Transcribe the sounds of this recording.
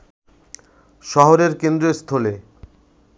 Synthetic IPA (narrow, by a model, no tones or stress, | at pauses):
ʃɔɦoɾeɾkend̪ɾest̪ʰole